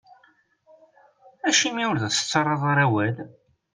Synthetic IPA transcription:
æʃimiwʊɾðæθə̥t͡sːɑɾˤːɑðˤɑɾˤæwæl

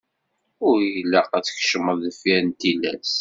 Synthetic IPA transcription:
ʊɾjəlːæqæt͡səçʃməðəfjænt̪ilæ̰s

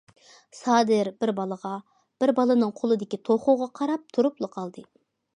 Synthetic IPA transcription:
sɑd̪ɨɾbɪɾbɑlˠəʁɑ | b̥ɪɾbɑlˠɨnɨŋqʰolˠɨd̪ɪkʲit̪ʰoχoʁɑqʰɑɾɑp̚t̪ʰuɾuplˠəqʰɑlˠd̪ɨ

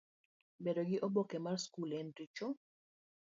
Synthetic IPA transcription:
bedoɡɪʔobokɛmarskulɛntit͡ʃɔ

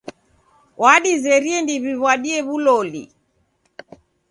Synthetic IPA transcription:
waɗizɛɾiɛndiβiβwaɗiɛβulɔlḭ

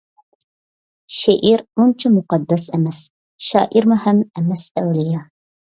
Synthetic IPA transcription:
ʃeʔiɾunt͡ʃʰamʊqɑd̪ːɛsɛmɛs | ʃɑ̰ːʔiɾmʊhɛmɛmɛsɛwlɪjɑ

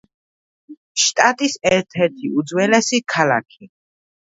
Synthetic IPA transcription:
ʃt̪ʼat̪ʼisɛɾt̪ʰɛɾt̪ʰiud̪zwɛlɛsikʰala̰kʰi

